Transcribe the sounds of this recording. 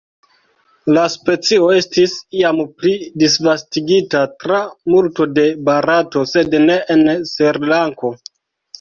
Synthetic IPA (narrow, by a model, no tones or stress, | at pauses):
laspe̞t͡sio̞e̞stisiamplidisvastiɡitatɾamulto̞de̞baɾato̞se̞dne̞ʔenseɾlaŋko̞